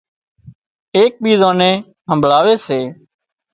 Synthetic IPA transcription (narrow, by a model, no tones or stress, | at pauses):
eːk̚ɓiːzãːnẽː | ɦəmbʱɭaːʋeːseː